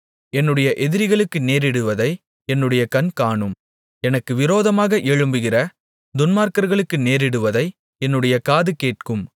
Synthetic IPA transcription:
ɛnːɯɽɐjɐʔɛðɪɾɪɣɐɭɯkːɯneːɾɪɽɯʋɐðɐɪ | ɛnːɯɽɐjɐkɐnkaːɳɯm | ɛnɐkːɯʋɪɾoːðɐmaːɣɐʔɛɻɯmbɯɣɪrɐ | d̪ʊnmaːɾkɐɾɣɐɭɯkːɯneːɾɪɽɯʋɐðɐɪ | ɛnːɯɽɐjɐkaːðɯkeːʈ̚kɯm

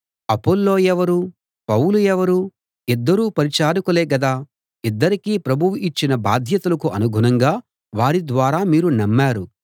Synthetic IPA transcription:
ɐpolːo̞ːjɛʋɐɾu | pɐwuluɛʋɐɾuː | id̪ːɐɾuːpɐɾit͡ʃaːɾukuleːɡɐd̪aː | id̪ːɐɾikiːpɾɐbʱuʋiit͡ʃːinɐbaːd̪ʱjɐt̪ulɐkuʔɐnuɡʱunɐŋɡaː | ʋaːɾid̪ʋaːɾaːmiːɾunɐmːaːɾu

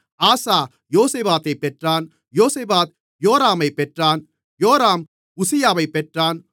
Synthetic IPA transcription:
aːsaː | joːseːbaːt̪ɐɪpːɛʈraːn | joːseːbaːt̪̚ | joːɾaːmɐɪpːɛʈraːn | joːɾaːm | ʊsɪjaːʋɐɪpːɛʈraːn

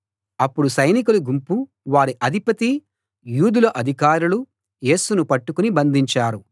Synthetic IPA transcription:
ɐpːuɽusɐjnik̬uluɡumpu | ʋaːɾiʔɐd̪ʱipɐt̪i | juːd̪ulɐʔɐd̪ʱikaːɾulu | je̞ːsunupɐʈːukunibɐnd̪ʱiɲt͡ʃaːɾu

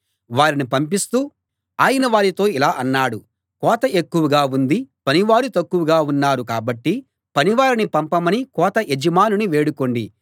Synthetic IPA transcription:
ʋaːɾinipɐmpist̪uː | aːjɐnɐʋaːɾit̪o̞ːilaːʔɐnːaːɽu | kɔːt̪ɐʔe̞kːuʋɐɡaːund̪ipɐniʋaːɾut̪ɐkːuʋuɡaːunːaːɾukaːbɐʈːi | pɐniʋaːɾinipɐmpɐmɐnikɔːt̪ɐʔed͡ʒɐmaːnuniʋe̞ːɽuko̞ɳɖḭ

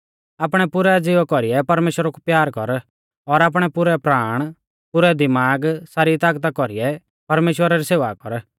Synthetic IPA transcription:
aːpɽ̃ɛpʊɾɛd͡zɪʋkɔɾijɛpɐɾmeːʃwəɾakupjaːɾkɔ̰ɾ | ɔɾaːp̬ɽ̃ɛpʊɾɛpɾaːɽ̃ | pʊɾɛd̪ɪmaːɡsaːɾit̪aːkt̪akɔɾiɛ | pɐɾmeːʃwəɾaɾiseːʋakɔɾ

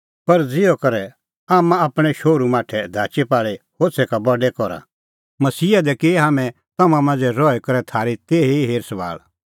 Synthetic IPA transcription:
pɐɾd͡zɪjɔkɐɾɛ | aːmãaːpɽ̃ɛʃoːɾumaːʈʰɛd̪ʱaːt͡ʃepaːɭehoːt͡sʰɛkabɐɖɛkɔɾa̰ | mɐsiːad̪ɛkeɦaːmɛ̃ | t̪ɐmãmãːnd͡zɛɾɔːɛkɐɾɛt̪ʰaːɾit̪eːɦeɦeːɾsʋa̰ːɭ

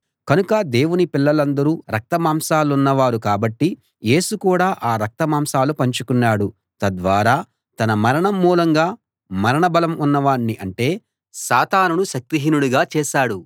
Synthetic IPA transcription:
kɐnukɐd̪e̞ːwunipilːɐlɐnd̪ɐɾuːɾɐk̚t̪ɐmaːmsaːluunːɐʋaːɾukaːbɐʈːi | je̞ːsukuːɽaːʔaːɾɐk̚t̪ɐmaːmsaːlupɐɲt͡ʃukunːaːɽu | t̪ɐd̪ʋaːɾaː | t̪ɐnɐmɐɾɐɳɐmːuːlɐŋɡaː | mɐɾɐɳɐbɐlɐmunːɐʋaːɳːiʔɐɳʈe̞ː | saːt̪aːnunuʃɐk̚t̪iɦinuɽuɡaːt͡ʃɛːʃaːɽu

